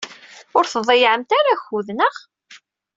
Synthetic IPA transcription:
ʊɾθðˤejʕəmt̪aɾaçuðnəʁ

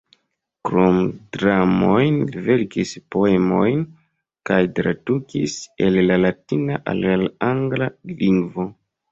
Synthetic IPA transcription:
kɾomdɾamojnve̞ɾkispoemo̞jn | kajtɾadukise̞lːalatinaʔa̰lelaŋɡlaliŋɡvo̞

